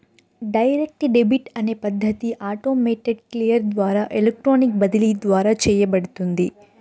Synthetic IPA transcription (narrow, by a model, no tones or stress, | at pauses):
ɖɐjɾek̚ʈɖebiʈɐne̞ːpɐd̪ʱːɐt̪iʔaːʈoːmeːʈeɖklijɐɾd̪ʋaːɾaːʔelek̚ʈɾoːnik̚bɐd̪iliːd̪ʋaːɾaːt͡ʃɛːjɐbɐɽut̪und̪i